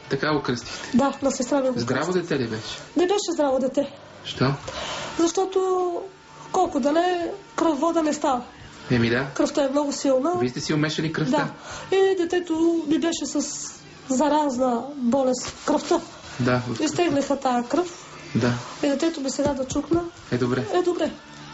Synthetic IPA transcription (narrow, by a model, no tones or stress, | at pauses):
t̪ɐkaɡokɾəst̪i̥xt̪ɛ̥d̪anɐsɛst̪ɾaviɡzd̪ɾavod̪ɛt̪ɛlibɛʃɛ̥nɛbɛʃɛzd̪ɾavod̪ɛt̪ɛ | ʃt̪ɔzɐʃt̪ɔt̪o | kɔlˠkʊd̪ɐnɛkɾəvːɔd̪ənɛst̪avə | ɛmid̪akɾəft̪əɛmnɔɡʊsilˠnəvist̪ɛsiomɛʃɛlikɾətd̪aid̪ɛt̪ɛt̪ʊmibɛʃɛsɐs | zɐɾaznəbɔlɛst̪kɾəft̪ə | d̪aist̪ɛɡlʲixət̪akɾɤf | d̪aid̪ɛt̪ɛt̪omisɛɡ̪ad̪ɐt͡ʃuknə | ɛd̪obɾɛɛd̪obɾɛ